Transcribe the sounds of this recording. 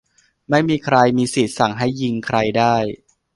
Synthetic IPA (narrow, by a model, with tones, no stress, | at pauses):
ma˥˩jmiː˧kʰɾa˧jmiː˧si˨˩t̪̚sa˨˩˦ŋɦa˥˩jːi˧ŋkʰɾa˧jdaː˥˩j